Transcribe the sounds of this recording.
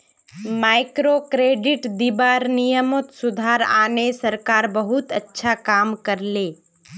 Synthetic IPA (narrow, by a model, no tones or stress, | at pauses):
maːɪkɾokɾeːɖɪʈd̪ibaːɾnijəmot̪sʊd̪ʱaːɾa̰ːnesɐɾkaːɾbəɦʊt̪ɐtːʃʰakaːmkɐɾleː